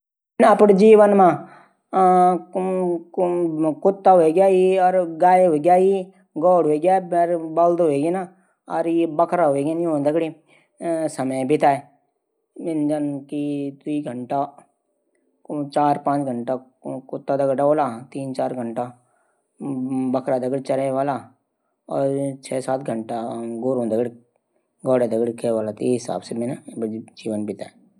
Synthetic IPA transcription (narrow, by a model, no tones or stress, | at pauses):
nəpɽd͡ʒiːʋənmãː | kʊt̪ːaɦoeɡjaːiɔːɾɡaːeɦoːeɡjaːi | ɡɔːɽɦoːeɡjaːɾbəld̪ɦoeɡena | ɔɾebəkʰɾaɦoeɡjanĩɦõːnd̪akɽi | səməebit̪aːe | mɪnd͡ʒənkit̪wiːɡʱəɳʈa | t͡ʃaːɾpãːt͡ʃɡʱəɳʈa | kʊt̪ːad̪ɐɡɖaoːlat̪iːnt͡ʃaːɾɡʱəɳʈa | bɐkʰɾad̪ɐɡɽit͡ʃɐɾeʋaːla | ɔːɾt͡ʃʰɛːsaːt̪̚ɡʱəɳʈaɡoːɾõːnd̪əɡɽi | ɡɔːɽed̪ɐɡɽikʰeʋaːlat̪eɦɪsa̰ːbsemenad͡ʒiːʋənbit̪aːe